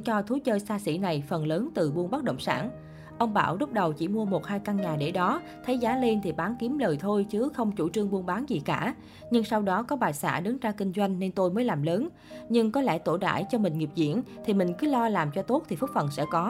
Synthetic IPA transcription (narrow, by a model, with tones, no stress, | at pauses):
t͡ɕɔ˧t̪ʰu˨˦t͡ɕəː˧jsaː˧sḭ˧˩na˨˩jfə˨˩nləː˨˦nt̪ɨ˨˩ɓu˧ənɓa˦˥ɗə̰˧˨wŋ͡msa̰ː˧˩n | ʔə˧wŋ͡mɓa̰ː˧˩wzʊ˦˥k͡p̚ɗə˨˩wt͡ɕi˧˩mu˧əmo˨˩t̚haː˧jka˧nɲaː˨˩ɗḛ˧˩ɗɔ˨˦t̪ʰə˨˦jzaː˨˦le˧nt̪ʰi˨˩ɓaː˨˦nki˨˦əmləː˨˩jt̪ʰo˧jt͡ɕɨ˨˦xə˧wŋ͡mt͡ɕṵ˧˩t͡ɕɨ˧əŋɓu˧ənɓaː˨˦nzi˨˩kaː˧˩ | ɲɨ˧ŋsa˧wɗɔ˨˦kɔ˨˦ɓaː˨˩jsa̰ː˧˩ɗɨ˨˦ŋzaː˧kï˧ŋ̟zwa˧jŋ̟ne˧nt̪o˧jməː˨˦jlaː˨˩mləː˨˦n | ɲɨ˧ŋkɔ˨˦lɛ̰˧˩t̪o˧˩ɗa̰ː˧˩˨jt͡ɕɔ˧mï˨˩ŋ̟ŋi˨˩p̚zḭ˧˨ənt̪ʰi˨˩mï˨˩ŋ̟kɨ˨˦lɔ˧laː˨˩mt͡ɕɔ˧t̪o˦˥t̚t̪ʰi˨˩fɨ˦˥k̚fə˨˩nsɛ̰˧˥kɔ˨˦